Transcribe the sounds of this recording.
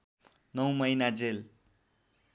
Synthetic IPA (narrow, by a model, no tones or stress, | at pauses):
nʌw̃mʌjnad͡zel